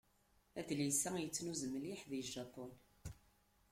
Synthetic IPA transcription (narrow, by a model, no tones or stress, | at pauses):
æd̪lisæjət͡sːnuzəməliħðiʒːɑpon